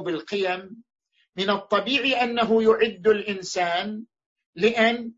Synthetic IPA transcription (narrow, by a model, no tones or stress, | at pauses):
bɪlqɪjamː | ɪnɑt̪ˤːɑbiːʕiʔanːaɦʊjʊʕɪd̪ːalʔɪnsaːn | lɪʔan